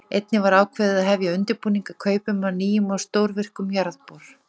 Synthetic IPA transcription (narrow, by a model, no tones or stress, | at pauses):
ejt̪nɪvaɾaːwkʰvɛːðɪðaðɦɛvjaʏnt̪ɪɾpuːniŋkakʰœːɥpʏmawniːjʏmawst̪oːwɾvɪr̥kʏmjaɾðpoɾ̥